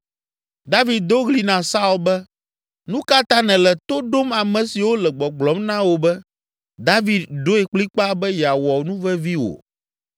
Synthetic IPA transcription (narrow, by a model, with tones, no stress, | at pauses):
d̪a˦vi˨d̪̚d̪o˦ɣli˨nã˨sa˦u˨lbɛ˦ | nũ˦ka˦t̪ã˦nɛ̃˨lɛ˨t̪o˦ɖo˦ma˨mɛ̃˨si˨wo˦lɛ˨ɡ͡bɔ˨ɡ͡blɔ˨˦mnã˦wo˨bɛ˦ | d̪a˦vi˨d̪d̪o˦ɛ˨k͡pli˦k͡pa˦bɛ˦jɛ˨a˨wɔ˨nũ˦vɛ˦vi˦wo̰˨